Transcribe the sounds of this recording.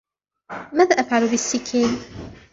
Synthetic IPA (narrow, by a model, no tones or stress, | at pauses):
maːðaːʔafʕalubɪsːɪkʰiːn